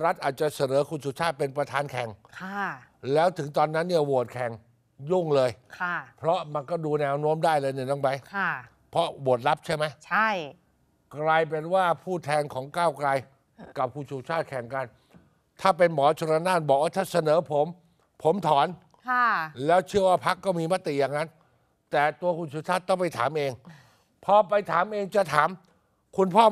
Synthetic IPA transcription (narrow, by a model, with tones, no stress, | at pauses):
ɾa˦˥t̪̚ʔaː˨˩t̪̚t͡ɕa˨˩sa˧nɤː˩˦kʰuː˧˩t͡ɕʰuː˧˩t͡ɕʰaː˥˩t̪̚pe˧npɾa˧t̪ʰaː˧nkʰɛ˨˩ŋkʰa˥˩ | lɛː˦˥wt̪ʰɯ˩˦ŋt̪ɔː˧nːa˦˥nːi˥˩ɐwu˨˩ət̪̚kʰɛ˨˩ŋ | ju˥˩ŋlɤː˧jkʰa˥˩pʰɾɔ˦˥ma˧nkɔː˥˩duː˧nɛː˧wno˦˥əmdaː˥˩jlɤː˧jni˨˩nɔ˧˥˩ŋpa˧jkʰa˥˩ | pʰɔ˦˥wu˨˩ət̪̚la˦˥p̚t͡ɕʰa˥˩jma˦˥jt͡ɕʰa˥˩j | kɾa˧jp̬e˧nwaː˥˩pʰuː˥˩t̪ʰɛː˧ŋkʰɔː˩˦ŋkaː˥˩wkɾa˧j | ka˨˩p̚kʰuː˧˩t͡ɕʰuː˧˥t͡ɕʰaː˥˩t̪̚kʰɛ˨˩˦ŋka˧n | t̪ʰaː˥˩pe˧nmɔː˩˦t͡ɕʰo˧ɾa˧naː˥˩n̚bɔː˨˩k̚waː˥˩t̪ʰaː˥˩sa˧nɤː˩˦pʰo˩˦m | pʰo˨˩˦mt̪ʰɔː˨˩˦nʰ | a˧˥˩lɛː˦˥wt͡ɕʰɯ˥˩əwaː˥˩pʰa˦˥kːɔː˥˩miː˧ma˦˥t̪i˨˩jaː˨˩ŋːa˦˥n | t̪ɛː˨˩t̪u˧ɐkʰu˧nt͡ɕʰuː˧˥t͡ɕʰa˥˩t̪̚ːɔ˥˩ŋpa˧jt̪ʰaː˩˦mʔeː˧ŋ | pʰɔ˦˥pa˧jt̪ʰaː˩˦mʔeː˧ŋt͡ɕa˨˩t̪ʰaː˩˦m | kʰu˧npʰɔː˥˩